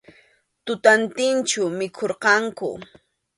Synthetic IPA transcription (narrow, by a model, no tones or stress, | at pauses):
t̪ʊt̪ant̪ɪnt͡ʃʊmɪkʰoɾqɑŋkʊ̰